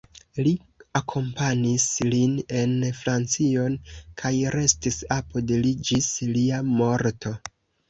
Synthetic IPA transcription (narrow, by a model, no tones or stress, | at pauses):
li | akʰo̞mpanisline̞nfɾant͡sio̞nkʰajɾe̞stisapo̞delid͡ʒisliamo̞ɾtʰo̞